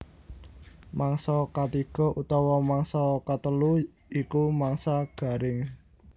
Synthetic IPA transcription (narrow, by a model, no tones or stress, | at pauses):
maŋsɔkat̪iɡ̥ɔ̤ʔut̪ɔwɔmaŋsɔkat̪əlu | ikumaŋsaɡ̥a̤ɾɪŋ